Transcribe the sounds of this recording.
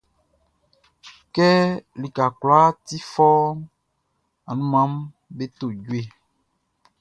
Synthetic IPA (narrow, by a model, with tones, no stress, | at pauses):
kɛ˦li˨ka˨kwla˦ti˦fɔ˦ | a˨nũ˦mã˨˦m | be˦to˨ɟwe˨